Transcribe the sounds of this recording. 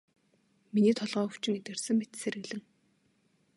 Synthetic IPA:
miniːt̪ʰɔɮʁœːxu̥t͡ɕɪ̆ŋet̪ɡɘ̆rsɘ̆ŋmet̪seɾɘ̆ɣɮɘ̆ŋ

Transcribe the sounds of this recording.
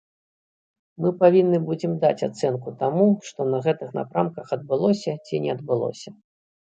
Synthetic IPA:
mɨpavʲinːɨbud͡zʲimd̪a̰t͡sʲa̰t̪sɛnkut̪amuʂt̪ɔnɐɣɛt̪ɨxna̰pɾamkɐxɐd̪̚bɨlˠɔsʲɐt͡sʲinʲɛɐd̪bɨlˠɔ̰sʲɐ

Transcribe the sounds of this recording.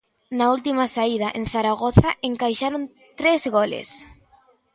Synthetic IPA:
nault̪imasaið̞aʔẽnθaɾaɣoθaʔeŋkajʃaɾon | t̪ɾezɣolḛs

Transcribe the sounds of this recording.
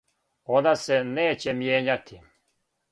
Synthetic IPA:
onaseneːt͡ɕemjeːɲat̪ʰi

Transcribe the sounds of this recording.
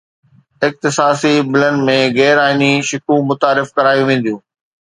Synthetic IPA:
ɪx̚t̪ɪsaːsibɪlənɪ̆mẽɣɛːɾaːɪniʃɪkʰũmʊt̪aːɾɪfkɐɾaːjũʋẽːn̆d̪ijũː

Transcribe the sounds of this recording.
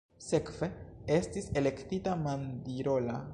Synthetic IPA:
se̞kve̞e̞stise̞le̞ktitamandiɾo̞la

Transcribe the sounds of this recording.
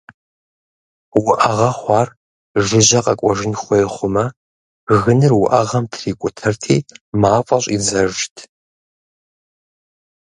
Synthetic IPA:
wʊʔɐʁɐχʷɑːr | ʒɨʑɐqʼɐkʷʼɔʒɪnχʷɔjχʷʊmɐ | ɣɨnɨrwʊʔɐʁɐmtʰriːkʷʼʊtʰɐrtʰiːmaːfʼɐɕʼid͡zɐʒtʰ

